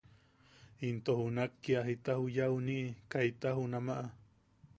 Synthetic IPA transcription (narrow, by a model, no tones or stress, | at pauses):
int̪ohunakːiaɦit̪ahujauniʔikait̪aɦunamaʔa